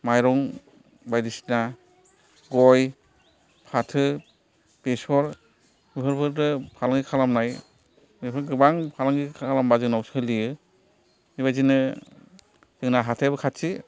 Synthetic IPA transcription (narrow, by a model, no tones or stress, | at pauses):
majɾɔŋ | bajdisna | ɡɔj | pʰatʰɯ | pesɔɾ | bipʰɯɾbʰɯɾdɯpʰalaŋɡikʰalamnaj | ipʰɯɡɯbaŋpʰalaŋɡikʰaalambazɯŋnawsɯlijɯ | miβazinɯ | z̥ɯŋnaɦatʰajbɯkʰatsi